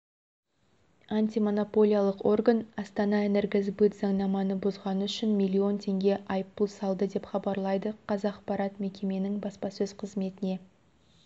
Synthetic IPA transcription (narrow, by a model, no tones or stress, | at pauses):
anʲt̪ʲijmo̞no̞po̞lʲˠijalˠəqo̞rɡanɑst̪ɑnɑeneɾɡʲezbut̪zɑɴnɑmɑnəbʊzʁɑnəʏʃɪnmʲijlʲːio̞nt̪ʰe̞ŋɡʲe̞ʔɑjəp̚ːəlˠsɑlˠd̪əd̪e̞pχɑbɑɾlˠɑjd̪əqʰɑzɑqpɑɾɑt̪me̞kʲe̞me̞nɪŋbɑspɑsɵz̥qʰəzme̞t̪ɪne̞